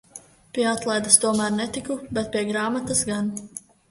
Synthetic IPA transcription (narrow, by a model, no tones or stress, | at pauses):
pʲiɛat̪lˠajd̪ast̪uɔmæɾnɛt̪ikubɛt̪̚pʲiɛɡɾaːmat̪asɡan